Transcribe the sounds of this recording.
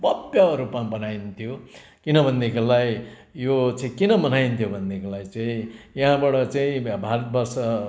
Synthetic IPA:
bʌbjaʌɾupmabʌnaint̪ʰijo | kinʌbʱʌnːekolaj | jot͡saĩkinʌmʌnaint̪ʰjobʱʌnd̪ekolajt͡saĩjaɦãbaʈʌt͡saĩbʱaɾʌt̪̚bʌrsʌ

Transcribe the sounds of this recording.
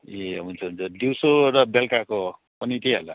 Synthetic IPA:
jeunt͡sʰʌɦunt͡sʌd̪iwsoɾʌbelkako | pʌnit̪ʰiɦola

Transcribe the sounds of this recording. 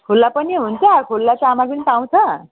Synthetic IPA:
kʰulːapʌneɦunt̪ʰjʌkʰulːat͡sʰamaɡinipaw̃t͡s̪ʰʌ

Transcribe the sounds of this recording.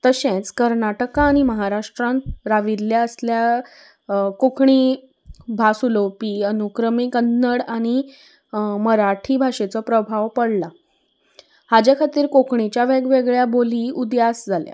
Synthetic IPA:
t̪əɕẽt͡skəɾnaʈəkaːɽ̃iməɦaɾaʂʈɾãnɾaʋiɾljaəslja | kokʰɳiː | bʱasulopiːənukɾəmikənːəɽaɽ̃i | məɾaʈʰiːbʱaʂet͡sɔpɾəbʱaʋpəɽla | had͡ʑjakʰat̪iːɾkokʰɳit͡ɕjaʋeɡʋeɡɭjaboliːud̪jasd͡zʱalja̰

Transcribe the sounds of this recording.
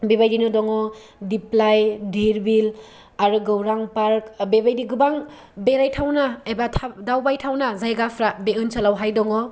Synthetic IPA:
bebajdinudɔŋɔdiplajdʱiɾbil | aɾuɡɯwɾaŋpaɾk̚bebajdiɡubaŋ | beɾajtʰawnaebatʰadawbajtʰawnazajɡapʰɾabeɯnsalawɦajdɔŋɔ

